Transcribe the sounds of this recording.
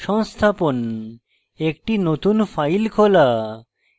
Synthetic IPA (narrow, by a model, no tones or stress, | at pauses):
ʃɔŋst̪ʰapon | ekʈinot̪unfajlkʰola